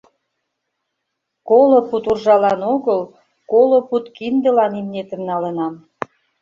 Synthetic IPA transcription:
koloput̪urʒɑlɑnoɣəl | koloput̪kind̪ə̆lɑnimnet̪ə̆nnɑlə̆nɑm

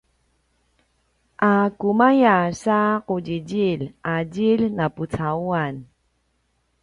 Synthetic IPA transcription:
ʔakumajasaquɟiɟilʔaɟilnaput͡sauan

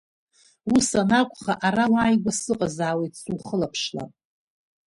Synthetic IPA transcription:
usanakʷʼχaʔaɾawaːjɡʷasɨqʼazaːwejtʰsuwχəlapʰʂla̰

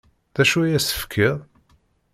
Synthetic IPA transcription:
ðæʃuæjæsə̥fkʰːiʁ

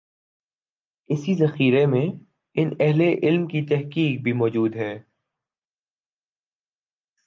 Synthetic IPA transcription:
ɪsizɐxiːɾemẽ | ɪnɛɦleʔɪlmkit̪ɛɦkiːk̚bʱimɔːd͡ʒuːd̪ɦɛː

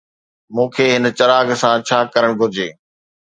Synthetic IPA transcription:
mũːkʰeːɦɪnə̆t͡ɕɐɾaːɡsãt͡ɕʰaːkɐɾəɽ̃ɡʱʊd͡ʑeː

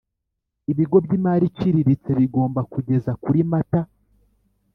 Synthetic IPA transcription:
iβiɡo̞bɟimaːɾiciɾiɾit͡se̞βiɡo̞ːmbakuɟe̞zakuɾimata

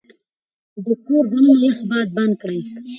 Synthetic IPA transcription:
d̪əkoɾdamnaləxbɑzband̪̚kɽəj

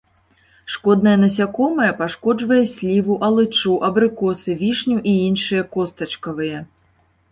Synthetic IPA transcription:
ʂkɔd̪̚nɐjɐnɐsʲakɔmɐjɐpaʂkɔd͡ʐvɐjɛsʲlʲivuʔɐlˠɨt͡ʂuʔɐbɾɨkɔsɨvʲiʂnʲuʔiinʂɨjɐkɔst̪ɐt͡ʂkɐvɨjɐ

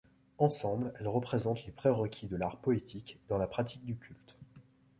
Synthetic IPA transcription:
ɑ̃sɑ̃blɛlʁəpχezɑ̃t̪lepχɛʁəkʲʰid̪əlaʁpɔet̪ʰikd̪ɑ̃lapχat̪ik̚d̪ykʲʰylt̪

